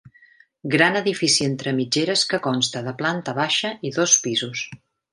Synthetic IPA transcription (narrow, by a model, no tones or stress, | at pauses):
ɡɾanəðifisient̪ɾəmid͡ʒeɾəskəkɔnst̪əðəplant̪əβaʃəʔiðɔspizus